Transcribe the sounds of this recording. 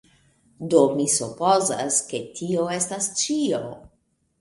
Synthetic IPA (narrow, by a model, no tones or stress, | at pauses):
do̞misupo̞za̰ske̞tʰio̞e̞stast͡ʃio